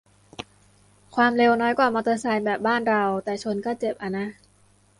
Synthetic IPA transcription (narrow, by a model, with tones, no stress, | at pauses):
kʰwaː˧mle˧wnɔː˦˥jkwaː˨˩ma˧t̪ɤː˧saː˧jbɛː˨˩p̚baː˥˩nɾa˧wt̪ɛː˨˩t͡ɕʰo˧nkɔː˥˩t͡ɕe˨˩p̚ʔa˧na˦˥ʔ